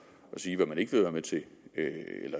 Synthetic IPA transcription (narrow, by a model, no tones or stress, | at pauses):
ɒ̽siːʋɑ̈mæne̝ɡ̥ʋeðˠʋæɐmet͡sʰe̝ | ḛlɐ